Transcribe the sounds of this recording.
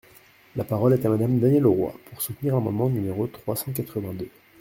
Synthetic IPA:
lapaʁɔlɛt̪amad̪amd̪anjɛloʁwa̰puʁsut̪niʁlamɑ̃d̪mɑ̃nymeʁot̪χwasɑ̃k̬at̪χəvɛ̃d̪ø

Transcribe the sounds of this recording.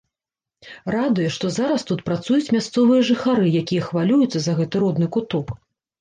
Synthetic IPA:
rad̪ujɛʂt̪ɔzaɾɐst̪ut̪pɾat̪sujut͡sʲmʲast̪sɔvɨjɐʐɨxaɾɨjakʲijɐxvalʲujut̪sːɐzɐɣɛt̪ɨɾɔd̪nɨkut̪ɔk

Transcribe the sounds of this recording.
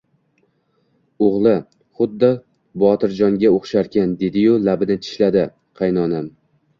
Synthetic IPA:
oʁlˠɪ | χʊd̪ːɒ | bɒt̪ɪɾd͡ʒɒŋɡʲaoχʃaɾkʲand̪e̞d̪ɪjʊlabɪnɪt̪ʰɪ̥ʃlad̪ɪ | qʰɑjnɒnam

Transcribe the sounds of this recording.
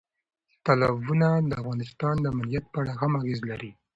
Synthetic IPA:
t̪alabunad̪əafɣɑnɪst̪ɑnd̪əamalijat̪̚pəaɽaxamaɣezlaɾi

